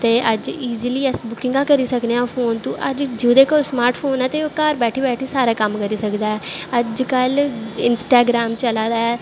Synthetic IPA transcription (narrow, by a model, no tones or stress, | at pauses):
t̪eːʔəd͡ʒiːziliːɛsbʊkɪ̃ŋɡãːkəɾiːsəkneːãːpʰoːnt̪ũːʔəd͡ʒd͡ʒed̪eːkəsmaːɾʈʰpʰoːnɛ̃ːt̪eːoːkaːɾbɛːʈʰiːbɛːʈʰiːsaːɾaːkəmkəɾiːsəkd̪aːɛːəd͡ʒkəlɪ̰nsʈaːɡɾaːmt͡ʃəlaːd̪aːɛː